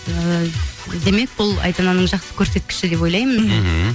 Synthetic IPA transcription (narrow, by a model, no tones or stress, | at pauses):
ə | d̪e̞me̞k̚bʊlˠɑ̰jt̪ɑnɑnəɴʒɑqsə̥kʲʰɵɾse̞t̪̚kʲɪ̥ʃɪd̪e̞po̞jlˠɑjmən